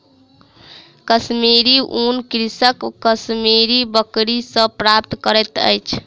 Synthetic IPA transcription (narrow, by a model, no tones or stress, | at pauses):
kəsmiɾiʔunkɾisəkːəsmiɾibəkɾisə̃pɾapt̪kəɾɛt̪ə̰jt͡ʃʰ